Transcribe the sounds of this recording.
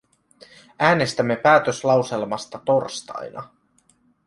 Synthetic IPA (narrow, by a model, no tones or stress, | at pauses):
æːne̞st̪æmːe̞pæːt̪ø̞slɑwse̞lmɑst̪ɑt̪o̞rst̪ɑ̰jnɑ̰